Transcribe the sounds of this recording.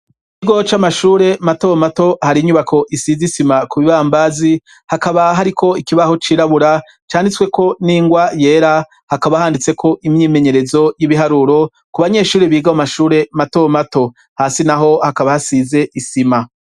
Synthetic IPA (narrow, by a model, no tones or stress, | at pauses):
ikiɡo̞t͡ʃamaʃuːɾe̞mato̞mato̞haɾiɲuβako̞ʔisizisimakuβiβaːmbazi | hakaβaɦaɾikʰo̞ikiβaho̞t͡ʃiːɾaβuɾa | t͡ʃaːndit͡swe̞ko̞niːŋɡwaje̞ːɾa | hakaβahaːndit͡sekʰo̞ʔimɲiːme̞ɲe̞ɾe̞zo̞jiβiɦaɾuːɾo̞ | kuβaɲe̞ːʃuːɾiβiːɡamamaʃuːɾe̞mato̞mato̞ | haːsinaɦo̞hakaβahasiːze̞ʔisima